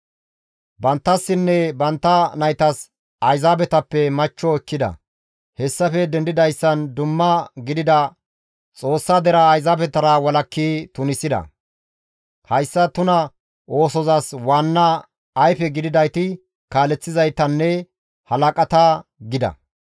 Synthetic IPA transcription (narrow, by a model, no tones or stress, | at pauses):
bɐnt̪ːɐsːɪnːɛbɐnt̪ːɐnɐjt̪ɐs | ɐjzaːbɛt̪ɐpːɛmɐt͡ʃːɔkːɪd̪ɐ̰ | hɛsːɐfɛd̪ɛnd̪ɪd̪ɐjsːɐnd̪ʊmːɐɡɪd̪ɪd̪ɐ | t͡sʼo̞ːsːad̪ɛɾɐːjzaːbɛt̪ɐɾɐwɐlɐkʰːiːt̪ʊnɪsːɪd̪ɐ̰ | hɐjsːɐt̪ʊnɐ | ʔo̞ːsɔzaswaːnːɐː | jfɛɡɪd̪ɪd̪ɐjt̪ɪ | kaːlɛt͡sːɪzɐjt̪ɐnːɛ | hɐlɐkʼɐt̪ɐɡɪd̪ɐ̰